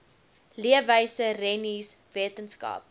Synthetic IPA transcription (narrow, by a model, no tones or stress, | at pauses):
liəvəjsərɛnis | viətənskɐ̰ːp̚